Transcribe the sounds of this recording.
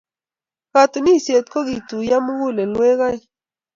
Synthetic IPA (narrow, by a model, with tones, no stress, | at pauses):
ka˨t̪u˨ni˦sje˨t̪ko˦ɣi˨t̪u˨ja˦mu˦ɡu˦le˨nwe˦ɣa˦j